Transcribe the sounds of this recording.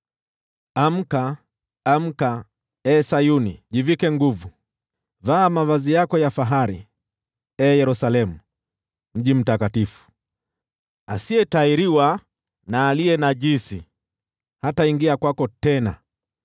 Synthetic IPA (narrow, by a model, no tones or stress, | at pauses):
am̩kaː | m̩ka | ɛːsajuniʄivikɛŋɡuvu | vaːmavazijakɔjafaɦaɾḭ | ɛːjɛɾusalɛmu | m̩ʄim̩takatifu̥ | asiɛtaiɾiwa | naːliɛnaʄisi | hataiŋɡiakwakɔtɛna